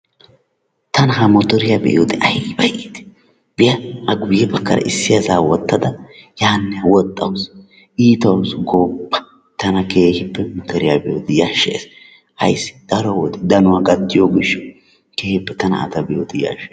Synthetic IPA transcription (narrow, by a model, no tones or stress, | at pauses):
t̪ɐnɦɐmɔt̪ɔɾɪjabɛ̰ʔoːd̪ɪʔɐjbɐjʔit̪ | b̥ɪjɐʔɐɡʊjːɛbɐkːɐ̰ɾɐ̰ʔɪsːɪjɐzaːwɔt̪ːɐd̪ɐjaːnːɛɐwɔt̪ʼːɐwʊs | iːt̪ɐwsɡoːpːɐ̥ | t̪ɐnɐke̞ːhɪpːɛmɔt̪ɔɾɪjabɛjoːd̪ɪjaʃːḛːs | ɐ̰jsːɪ̥d̪̥ɐɾɔwɔd̪ɛd̪ɐnʊwaɡɐt̪ːɪjoɡɪʃːɔ | keːhɪpːɛt̪ɐnɐ̰ɐ̰t̪ɐbɛjoːd̪ɪja̰ːʃe